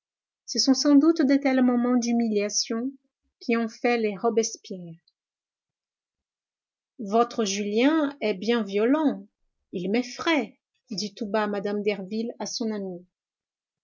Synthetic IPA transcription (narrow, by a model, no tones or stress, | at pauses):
səsɔ̃sɑ̃d̪ut̪d̪et̪ɛlmɔmɑ̃d̪ymiljasjɔ̃ | kʲʰiɔ̃fɛleʁɔbɛspjɛːʁ | vɔt̪χəʒyljɛ̃ɛbjɛ̃vjɔlɑ̃ | ilmɛfʁɛ | d̪it̪ubamad̪amd̪ɛʁvilasɔ̃nami